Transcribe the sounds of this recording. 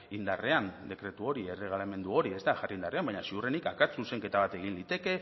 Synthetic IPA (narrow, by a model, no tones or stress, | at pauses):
ind̪are̞and̪e̞kɾe̞t̪uo̞ɾie̞re̞ɣ̞alame̞nd̪uo̞ɾie̞zt̪aʝarind̪are̞ambaɲasiure̞nikakat͡suse̞ŋke̞t̪aβ̞at̪e̞ɣ̞inlit̪e̞ke̞